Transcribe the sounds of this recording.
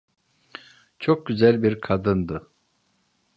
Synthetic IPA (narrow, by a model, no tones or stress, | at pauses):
t͡ʃʰok̚ɟyzælʲbiɾkʰad̪ɯnd̪ɯ